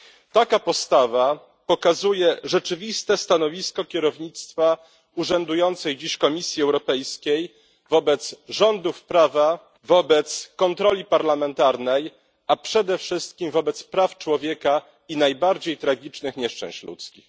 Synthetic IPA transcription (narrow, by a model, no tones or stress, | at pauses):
t̪akapɔst̪ava | pɔkazujɛʐɛt͡ʂɘvʲist̪ɛst̪anɔvʲiskɔkʲɛɾɔvɲit̪st̪fa | uʐɛnd̪ujɔnt̪sɛjd͡ʑiɕkɔmʲisʲjiɛwɾɔpɛjskʲej | vɔbɛt̪sʐɔnd̪ufpɾava | vɔbɛt̪skɔnt̪ɾɔlʲipaɾlamɛnt̪aɾnɛj | apʂɛd̪ɛfʂɘst̪kʲimvɔbɛt̪spɾaft͡ʂwɔvʲjɛka | inajbaɾd͡ʑejt̪ɾaɡʲit͡ʂnɘxɲɛʂt͡ʂɛ̰̃w̃ɕt͡ɕlṵt̪skʲix